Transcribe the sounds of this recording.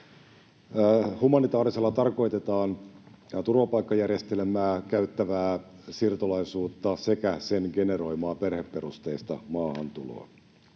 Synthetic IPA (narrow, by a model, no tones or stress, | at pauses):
humɑnit̪ɑːɾise̞lːɑt̪ɑrko̞jt̪e̞t̪ɑːn | t̪urʋɑpɑjkːɑjærje̞st̪e̞lmæːkæyt̪ːæʋæːsirt̪olɑisuːt̪ːɑse̞kæse̞nɡe̞ne̞ro̞jmɑːpe̞rhe̞pːe̞ɾust̪e̞ːst̪ɑ̰mɑːhɑnt̪ulo̞̰ː